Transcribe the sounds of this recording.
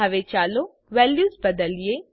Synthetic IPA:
ɐʋet͡ʃaːlo | ʋɛːljuːzbɐd̪əlije

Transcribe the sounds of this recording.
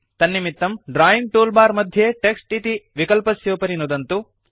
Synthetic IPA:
t̪ɐnːimit̪ːɐmɖɾaːjimʈoːlbaːɾmɐd̪ʱjeʈeksʈit̪iʋikɐlpɐsjoːpɐɾinud̪ɐnt̪u

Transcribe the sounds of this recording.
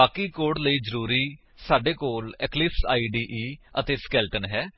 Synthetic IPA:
aːkiːkoːɽləiːd͡ʒəɾuːɾiː | saːɖeːkoːlɛklɪpsa̰ːiːɖiːʔiːət̪eːskɛːlʈənɦɛː

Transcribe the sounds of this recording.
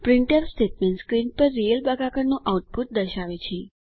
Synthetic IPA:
pɾɪɳʈəɾsʈeʈ̚mẽnʈskɾinpəɾːijəlbaɡakəɾnõʔawʈ̚put̪̚d̪əʃaʋit͡ʃʰe

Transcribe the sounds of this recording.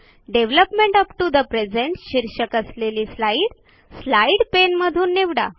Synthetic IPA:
ɖeʋləpmẽɳʈəpʈud̪əpɾed͡zẽɳʈɕiɾɕəkəsleliːslaiɽ | slaiɽpenməd̪ʱuːnːeʋɽa̰

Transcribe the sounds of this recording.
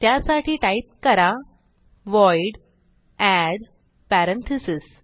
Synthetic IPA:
t̪jasaʈiːʈajit̪̚kəɾa | ʋɔjɽ | æɽ | pæɾəɳt̪ʰisis

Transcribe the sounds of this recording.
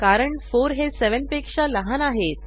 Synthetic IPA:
kaɾəɳfoɾɦeseʋənpekʂaləɦanaɦet̪

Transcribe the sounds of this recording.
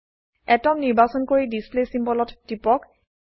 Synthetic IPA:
ɛtɔmniɹbasɔnkoɹidisplesimbɔlɔtd̥ipɔk

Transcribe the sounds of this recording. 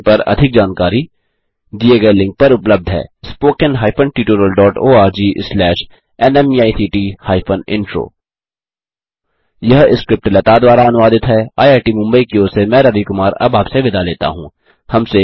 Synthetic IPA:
pɐɾɐ̰d̪ʱɪk̚d͡ʒaːnkaːɾi | d̪ieɡɐelɪ̃ŋk̚pɐɾʊpləb̚d̪ʱɦɛ̰ːspoːkə̃nɦaːɪpʰənʈiːʈoːɾəlɖɔːʈoːaːɾd͡ʒiːʔslɛːʃ | ɛnɛmiaːisiːʈiːhaːɪfʰənɪ̰̃nfo̰ː | jɐɦɪskɾɪp̚ʈlɐt̪ad̪ʋaːɾaɐnʊʋaːd̪ɪt̪ɦɛaːjaːʈimʊ̃mbəikioːsemɛ̃ːɾɐʋikʊmaːɾɐ̰baːpseʋɪd̪aleːt̪a̰ɦũː | hɐmse

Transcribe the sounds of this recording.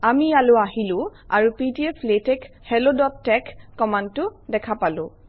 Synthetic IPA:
amialʊaɦilʊ̃a̰ɹupitiɛpʰletɛk | hɛlodɔttːɛkːɔmantːʊdɛkʰapalʊ̃

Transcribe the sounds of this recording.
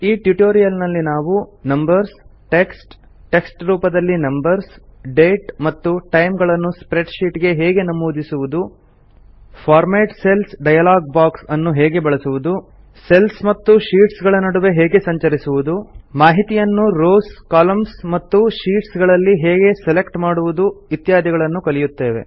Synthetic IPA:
iːʈjuʈoːɾijɐlnɐlːinaːʋunɐmbɐɾsʈe̞ksʈ | ʈeksʈɾuːpɐd̪ɐlːinɐmbɐɾsɖeːʈmɐt̪ːuʈɐjmɡɐɭɐnːuspɾeɖʃiːʈɡe̞ɦɛːɡe̞nɐmoːd̪isuʋud̪u | fʰaːɾmeːʈse̞lsɖɐjɐlaːɡ̚baːksɐnːuɦɛːɡe̞bɐɭɐsuʋud̪u | selsmɐt̪ːuʃiːʈsɡɐɭɐnɐɽuʋe̞ɦɛːɡe̞sɐɲt͡ʃɐɾisuʋud̪umaːɦit̪ijɐnːuɾoːskaːlɐmsmɐt̪ːuʃiːʈsɡɐɭɐlːiɦɛːɡe̞sele̞kʈmaːɽuʋud̪uit̪jaːd̪iɡɐɭɐnːukɐlijut̪ːe̞ːʋe̞̰

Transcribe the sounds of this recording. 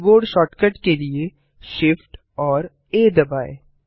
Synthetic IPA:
boːɖʃɔːʈkəʈkelie | ʃɪfʈ | ɔːɾ | eːd̪ɐbaːe

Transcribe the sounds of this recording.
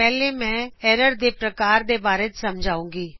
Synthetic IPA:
ɛːleːmɛ̃ːɛːɾəɾd̪eːpɾəkaːɾd̪eːbaːɾeːt̪səmd͡ʒʱaːũːŋɡiː

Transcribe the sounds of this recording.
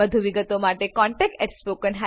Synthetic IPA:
əd̪ʱuʋiɡət̪omaʈekɔɳʈekʈeʈspokənɦa

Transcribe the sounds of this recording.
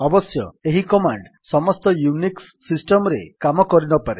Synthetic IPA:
ɔbɔsjɔeɦikɔmaɳɖ | sɔmɔst̪ɔjuniksːisʈɔmɔɾekamɔkɔɾinɔpaɾe

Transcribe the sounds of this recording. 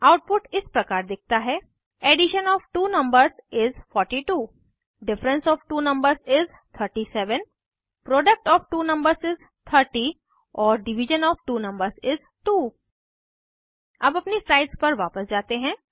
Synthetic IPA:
aʊʈ̚pʊʈɪspɾɐkaːɾd̪ɪk̚ʰt̪aɦɛ | eːɖɪʃənɔːfʈuːnɐ̃mbəɾzɪzfɔːɾʈiʈuː | ɖɪfɾə̃nsɔːfʈuːnɐ̃mbəɾzɪz | t̪ʰəɾʈisɛʋən | pɾɔːɖək̚ʈɔːfʈuːnɐ̃mbəɾzɪz | t̪ʰəɾʈi | ɔːɾɖɪʋɪʒə̃nɔːfʈuːnɐ̃mbəɾzɪz | ʈuː | ɐbɐpnisaːɪʈspɐɾʋaːpəsd͡ʒaːt̪eɦɛ̃ː

